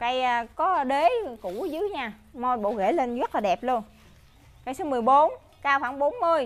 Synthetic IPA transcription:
ka˧jkɔ˨˦ɗe˨˦kṵ˧˩zɨ˨˦jɲaː˧˩mo˧˩jɓo̰˧˨wɣḛ˧˩le˧nzə˦˥t̚laː˨ɗɛ˨˩p̚lu˧ən | ka˧jso˨˦mɨ˨˩əjɓo˨˦n | kaː˧wxwaː˧˥˦ŋɓo˨˦nmɨ˧əj

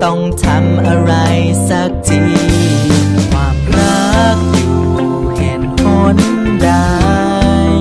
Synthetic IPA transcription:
t̪ɔ˧˩ŋt̪ʰa˧mʔa˧ɾa˧jsa˧˥k̚t͡ɕi˧ | kʰwaː˧mna˦˥k̚tɯ˧˩˧ | pʰɛː˨˩nkʰo˧˥n | da˧ | jj

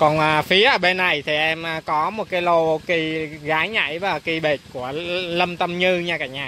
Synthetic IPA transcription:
kɔ˨˩nʔəː˨fi˨˦əʔəː˧˩ɓe˧nːa˨˩jt̪ʰi˨˩ʔɛ˧mʔkɔ˨˦mo˨˩t̚kaː˨˦jlo˧ki˧ɣaː˨˦jɲa̰˧˩˨jvaː˨˩ki˧ɓe˨˩t̚ku˧˩ələ˧mt̪ə˧mɲɨ˧ɲaː˧kaː˧˩ɲaː˧˩

